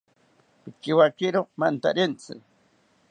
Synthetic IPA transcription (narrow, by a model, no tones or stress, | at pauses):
pɪkiwakɪɾomant̪a̰ɾɪnt͡sɪ̰